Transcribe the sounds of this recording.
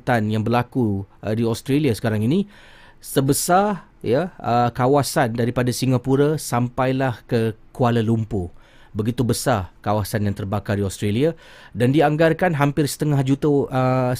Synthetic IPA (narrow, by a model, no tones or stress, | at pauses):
t̪anjaŋbərlakudiɔst̪ɾeliasə̥kaɾaŋinĩ | səbəsa | jəəkawasandaɾipadasiŋapuɾasampajlahkəkualəlumpu | bəɡit̪ubəsarkawasanjaŋt̪ərbakardiɔst̪ɾelia | dandiaŋɡarkanɦampɪrsə̥t̪əŋahd͡ʒut̪oə